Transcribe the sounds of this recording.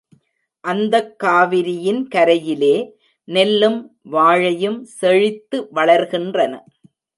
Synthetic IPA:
ʔɐnd̪ɐkːaːʋɪɾɪjɪnkɐɾɐjɪleː | nɛlːɯm | ʋaːɻɐjɯmsɛɻɪt̪ːɯʋɐɭɐɾɣɪndrɐnɐ

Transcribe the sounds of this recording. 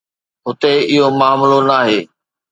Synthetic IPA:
ɦʊt̪eɪɦomaːmlonaːɦeː

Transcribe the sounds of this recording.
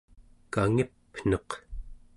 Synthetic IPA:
kaŋipn̥ʌq

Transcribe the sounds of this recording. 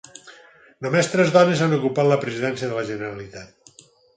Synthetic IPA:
nomest̪ɾɛzðɔnezanukupat̪ləpɾəziðɛnsijəðələʒənəɾəlit̪at̪̚

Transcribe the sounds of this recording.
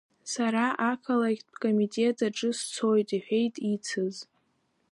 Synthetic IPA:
saɾaʔakʰalaɡʲbkʼomitʼe̞tʰʼaʈ͡ʂʼɨst͡sʰo̞jtʼiħʷᶣe̞jtʼit͡sʰɨz

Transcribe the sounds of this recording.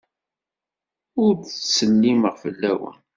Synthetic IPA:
ʊɾt͡ssənːiməʁfəlːæwə̰n

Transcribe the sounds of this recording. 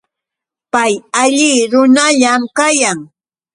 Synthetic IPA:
pajaʎɪɾʊnaʎamkajaŋ

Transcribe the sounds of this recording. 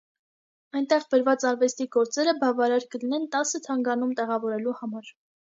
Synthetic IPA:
ɑjnt̪ɛʁbəɾvɑt͡sɑɾvɛst̪iɡɔɾt͡sɛɾəbɑvɑɾɑɾkəlinɛnt̪ɑsət̪ʰɑŋɡɑnumt̪ɛʁɑvɔɾɛluhɑmɑɾ

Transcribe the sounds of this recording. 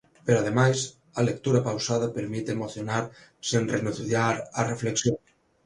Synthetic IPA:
peɾoað̞emajs | ɐlek̚t̪uɾɐpawsað̞ɐpeɾmit̪emoθjonaɾ | senrenuθθjaɾɐrefleksjoŋ

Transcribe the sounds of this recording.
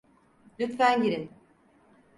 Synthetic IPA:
lʲyt̪fæɲɟiɾin

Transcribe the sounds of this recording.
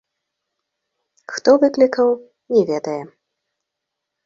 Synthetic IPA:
xt̪ɔvɨklʲikɐw | nʲɛvʲɛd̪ɐjɛ

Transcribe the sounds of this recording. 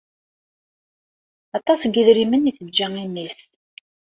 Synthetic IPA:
ɑt̪ˤɑsɡiðɾiməniθəd͡ʒːæŋimis

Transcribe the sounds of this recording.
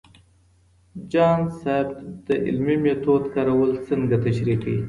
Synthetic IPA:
d͡ʒɑnsab̪d̪̥əʔɪ̰lmimet̪od̪kɑɾawəlt͡səŋɡat̪aʃɾiqḭ

